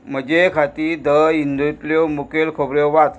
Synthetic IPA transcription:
m̤əd͡ʑekʰat̪iːd̪əind̪ʱut̪ljomukelkʰobɾjoʋat̪

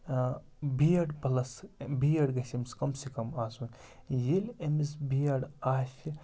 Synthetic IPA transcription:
bijɐɽpɐlɐsbijɐɽɡɐsɐmskɐmsekɐmaːsunjilemisbijɐɽaːʃi

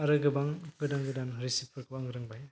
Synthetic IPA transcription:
aɾɯɡɯbaŋɡɯdaŋɡɯdanɾisipʰɯɾkɯbaŋɡɾɯŋbaj

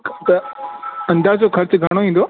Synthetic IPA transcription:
t̪ɐ | ɐ̃nd̪aːɦd͡ʑokʰɐɾt͡ɕɡʱɐɽ̃oːʋĩːn̆d̪oː

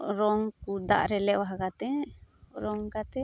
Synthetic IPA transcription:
ɾɔŋkud̪a̰ʔɾɛlɛʔwaɦakat̪ɛ | ɾɔŋkat̪ɛ

